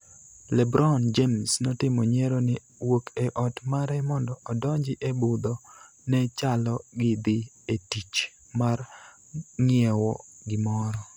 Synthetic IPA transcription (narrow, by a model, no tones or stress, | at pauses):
lɛbɾʔɔnd͡ʒemsnɔtɪmɔɲeɾonɪ | wokʰeʔɔtmaɾɛmɔndɔʔɔdɔɲd͡ʒɪʔebʊd̪ɔ | nɛt͡ʃalɔɡɪd̪ɪ | etit͡ʃ | mar | ŋɪɛwɔ̰ɡɪmɔɾɔ